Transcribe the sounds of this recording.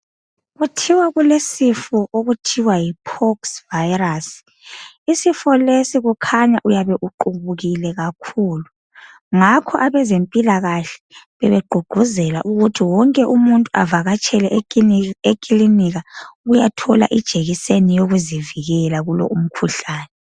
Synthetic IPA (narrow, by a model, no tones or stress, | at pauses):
ɣutʰiwaɣulesifɔʔoɣutʰiwajipʰɔksvajras | isifɔlesiɣukʰaɲaʔujaβɛʔuǃuβuɣilɛɣakʰulu | ŋakʰɔʔaβɛzempʼilaɣaɬɛ̥βɛβɛɡ͡ǃʱuɡ͡ǃ̥ʱuzɛla̰ʔuɣutʰiwɔŋkʼɛʔumuntʼuavaɣat͡ʃʼʰɛlɛ | ekʼiliniɣaɣujatʰɔla̰ʔid̥ʒ̥ʱeɣisenijoɣuziviɣɛlaɣulɔ̰ʔum̩kʰuɬaːnɛ